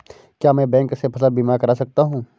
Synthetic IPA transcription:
kjaːmɛ̃bɛ̃ːŋksepʰɐsəlbiːmaːɾkɐɾaːsɐk̚t̪aɦũː

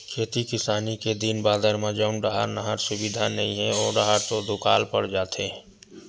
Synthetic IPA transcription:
kʰeːt̪ikɪsaːniked̪inbaːd̪əɾmãd͡ʒəʊnɖəɦaɾnəɦəɾsʊbid̪ʱanəĩɦɛ̃ɔːɾɖəɦaɾt̪od̪ʊkaːlpəɽd͡ʒaːt̪ʰe

